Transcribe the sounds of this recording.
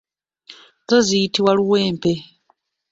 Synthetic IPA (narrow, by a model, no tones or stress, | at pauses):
zɔzijitʰiwaluwɛːmpʰɛ